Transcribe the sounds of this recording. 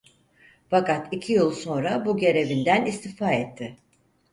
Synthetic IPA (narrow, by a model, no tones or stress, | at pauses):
fakat̪icʰijɯlˠso̞nɾabuɟe̞ɾe̞vind̪ænist̪ifaːɛt̪ʰːɪ